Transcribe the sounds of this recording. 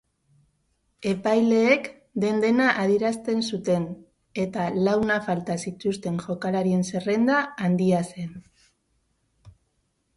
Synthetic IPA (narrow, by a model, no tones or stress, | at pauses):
e̞pajle̞ːk | d̪e̞nd̪e̞naʔaðjeɾast̪e̞nsut̪e̞n | e̞t̪alawnafalt̪asit̪ust̪e̞ŋʝo̞kalaɾie̞nse̞re̞nd̪aːnd̪iase̞n